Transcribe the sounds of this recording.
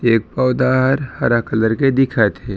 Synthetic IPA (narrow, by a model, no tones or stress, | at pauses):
eːk̚pɔʊd̪aɦəɾhəɾəkələɾked̪ɪkʰat̪ʰe